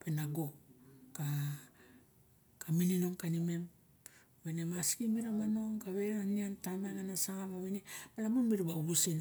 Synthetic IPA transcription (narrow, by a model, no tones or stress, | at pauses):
pe̞naɡo̞ka | kaminino̞ŋkanime̞m | βenemaskimiɾamano̞ŋkaβe̞ɾaniantamananasaŋamaβinemalamonmiɾibauβusin